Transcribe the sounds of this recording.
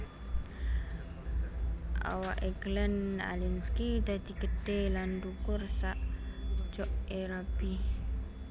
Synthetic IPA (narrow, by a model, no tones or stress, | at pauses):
ʔa̰waʔeɡləna̰linskid̪ad̪iɡəɖ̥elandukʊrsaʔd͡ʒɔʔeɾab̥i